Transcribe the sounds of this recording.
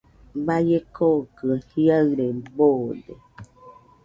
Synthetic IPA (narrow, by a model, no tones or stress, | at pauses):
bajekokəhiaɰɾebode